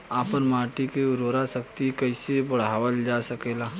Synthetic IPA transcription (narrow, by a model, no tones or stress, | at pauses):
aːpəɾmaːʈikeʊɾoːɾasək̚t̪ikɐɪsebɐɽ̤aːʋəld͡ʒaːsɐkeːlaː